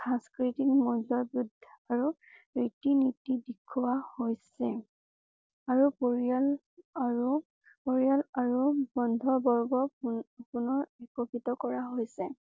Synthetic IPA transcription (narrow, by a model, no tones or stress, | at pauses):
sãskɹitik̚mɔlɔbɹud̪ʱaɹu | ɹitinitidikʰːʊwahojsɛ | aɹupl | ɹu | poɹialaɹubɔndʱɔɹbɔɹɡɔpunɔɹɛkɔpitɔkɔɹaɦojsɛ